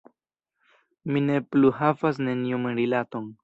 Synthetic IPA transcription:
minepluɦafas̬nenijumeɾilat̪oŋ

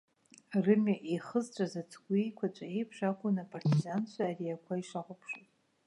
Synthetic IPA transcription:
rɨmaʔiχəzt͡ʃʷʼazat͡sʰɡʷijkʷʰat͡ʃʷʼae̞jpʰʂakʷʊnapʼartʰizant͡ɕʷʰaːriakʷʰaiʂaχʷʊpʰʂotʼ

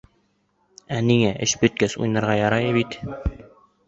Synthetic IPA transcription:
æniŋæʔɘɕbɵ̆t̪̚kæsṵjnɑɾʁɑjɑɾɑjɤbit̪

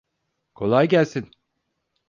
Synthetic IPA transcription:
kʰo̞̰lˠajɟælʲsin

